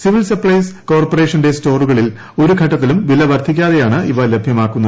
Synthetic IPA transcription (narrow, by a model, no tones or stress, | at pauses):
siʋilsɐpɭɐjsko̞ːrpore̞ːʂɐnde̞sto̞ːruɣɐɭil | o̞ɾuɡʰʱɐʈːɐt̪ːilumʋilɐʋɐrt̪ik̬ʲːaːðe̞jaːɳɨʔiʋɐle̞bʱjɐmaːkːunːɐðɨ